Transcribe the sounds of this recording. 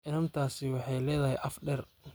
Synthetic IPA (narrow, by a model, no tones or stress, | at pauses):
ʔɪnɐnt̪ʰaːsɪwɑħɑjlɛːðɐɦɛ̰jʔɐfɖɛr